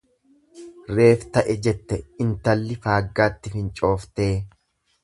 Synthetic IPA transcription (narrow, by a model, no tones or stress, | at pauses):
reːft̪ɐʔɛd͡ʒɛt̪ːɛɪnt̪ɐlːɪfaːɡːaːt̪ːɪfɪnt͡ʃʼo̞ːft̪e̞ː